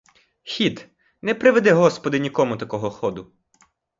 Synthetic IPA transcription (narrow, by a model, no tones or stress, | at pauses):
xʲit̪ | nɛpɾɪʋed̪ɛɦɔspɔd̪ɪnʲikɔmʊt̪ɐkɔɦɔxɔd̪ʊ